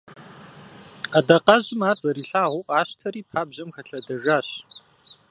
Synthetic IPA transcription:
ɐdɐqɐʑɪmaːt͡sʼɐɾiːɬaːʁʷʊqʼaːɕtʰɐɾiːpʰaːbʑɐmxɐɬɐdɐʒaːɕ

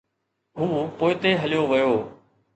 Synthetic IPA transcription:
ɦũːpoːɪt̪eːɦəlɪjoːʋəjoː

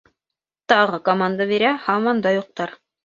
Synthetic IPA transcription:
t̪ɑʁɤkomand̪aβiɾæhɑmɑnd̪ɑjuq̚t̪ɑɾ

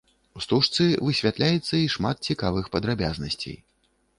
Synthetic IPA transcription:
ust̪uʂt̪sɨvɨsʲvʲat̪lʲajɛt̪sːɐiʂmat̪̚t͡sʲikavɨxpɐd̪ɾabʲaznɐsʲt͡sʲḛj

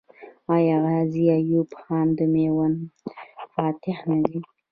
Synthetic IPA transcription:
ɑjaɣaziajupxɑnd̪əmewan | fɑt̪ɪhnazi

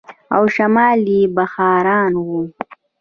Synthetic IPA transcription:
a̰wʃamɑːlibaxɑːɾɑːnwu

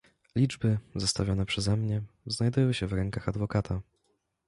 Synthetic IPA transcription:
lʲid͡ʐbɘzɔst̪avʲjɔnɛpʂɛzɛmɲɛznajd̪ujɔ̃wɕɛvɾɛŋkaxad̪vɔkat̪ʰa

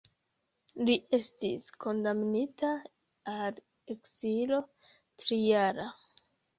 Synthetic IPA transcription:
liʔe̞stiskʰo̞ndamnita | al | e̞kzilo̞ | tɾijaɾa

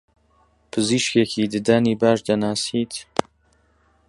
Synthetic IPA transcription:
pʰɨziːʃkeːkʰiːd̪ɨd̪aniːbaːʃd̪ɐnaːsiːt̪

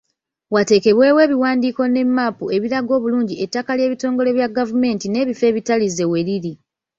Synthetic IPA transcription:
wate̞ːke̞βwe̞ːwe̞ːβiwaːndiːko̞ne̞mːapue̞βiɾaɡo̞ːβuluːɲɟietːakalje̞ːβito̞ːŋɡo̞le̞βjaɡavume̞ːntine̞ːβife̞ːβitalize̞we̞ɾiɾi

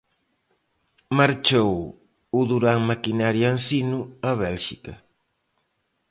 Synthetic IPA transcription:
maɾt͡ʃow | uðuɾaŋmakinaɾjansinuɐβɛlʃikɐ

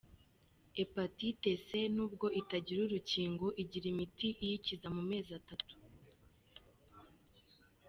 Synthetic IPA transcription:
epatite̞se̞nuːb̚ɡo̞ʔitaɟiɾuɾuciːŋɡo̞ʔiɟiɾimitiʔijicizamume̞ːzatatu̥

